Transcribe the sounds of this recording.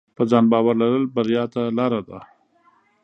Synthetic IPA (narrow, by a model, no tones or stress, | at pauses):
pəzɑnbɑwaɾlaɾəlbaɾjɑt̪alɑɾad̪a